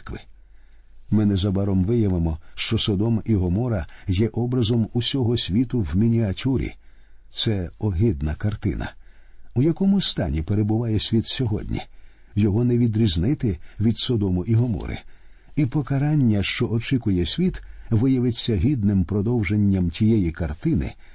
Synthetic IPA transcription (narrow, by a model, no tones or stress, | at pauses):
kʋɪ | mɪnɛzɐbɑɾɔmʋɪjɐʋemɔʃt͡ʃɔsɔd̪ɔmiɦɔmɔɾɐjɛʔɔbɾɐzɔmusʲɔɦɔsʲʋʲit̪ʊwmʲinʲiɐtʲuɾʲḭ | t̪sɛɔɦɪd̪nɐkɐrt̪ɪ̰nɐ̰ujɐkɔmʊst̪ɑ̰nʲipeɾebʊʋɑjɛsʲʋʲit̪sʲɔɦɔ̰dʲnʲḭ | jɔɦɔnɛʋʲid̪ɾʲiznɪt̪ɪʋʲid̪sɔd̪ɔmʊʔiɦɔmɔ̰ɾɪ̰ | ipɔkɐɾɑnʲːɐʃt͡ʃɔʔɔt͡ʃɪkʊjɛsʲʋʲit̪ʋɪjɐʋɪt͡sʲːɐɦʲid̪nɪmpɾɔd̪ɔwʒenʲːɐmtʲijɛjikɐrt̪ɪnɪ̰